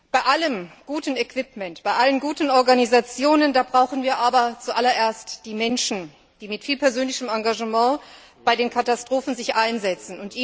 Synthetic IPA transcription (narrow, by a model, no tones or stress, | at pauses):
b̥aɪʔaləmɡ̥uːtn̩ɛkv̥ɪpmɛntb̥aɪʔalənɡuːtn̩ɔɐɡanizat͡sjoːnəndaːbʁaʊxn̩viːɐʔaːbɐt͡suʔalɐʔeːɐstd̥iːmɛnʃn̩ | d̥iːmɪtfiːlpʰɛɐzøːnlɪçəmaŋɡaʒəmɑ̃ː | b̥aɪdeːnkʰatastʁ̥oːfn̩zɪçʔaɪnzɛt͡sn̩ʊntʔiː